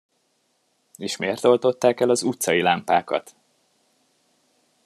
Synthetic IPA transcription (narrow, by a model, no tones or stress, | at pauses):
eːʃmeːrt̪o̞lt̪o̞t̪ːaːkɛlɒzut̪sɒjilampaːkɒ̰t̪